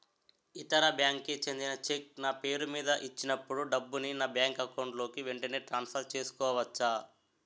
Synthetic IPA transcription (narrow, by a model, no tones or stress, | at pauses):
it̪ɐɾɐbjaːŋkːet͡ʃend̪inɐt͡ʃek̚naːpe̞ːɾumiːd̪ɐʔit͡ʃːinɐpːuɽuɖɐbːuninaːbjaːŋkɐkɐwɳɖlo̞ːkiʋe̞ɳʈɐne̞ːʈɾaːnspʰɐɾt͡ʃe̞ːsu̥kɔːʋɐt͡ʃːa